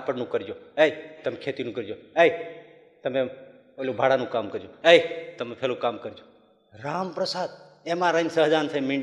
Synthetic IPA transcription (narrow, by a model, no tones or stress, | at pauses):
apəɽnũːkəɾd͡ʒoːeit̪əmekʰeːt̪inũːkəɾd͡ʒoːej | t̪əmẽ | olõbʱaːɽaːnũːkaːmkəɾd͡ʒõːejt̪əmepʰeːlõkaːmkəɾd͡ʒoː | ɾaːmpɾəsaːd̪̚ | emãːɾənsəɦd͡ʒaːnsəimĩɳɖ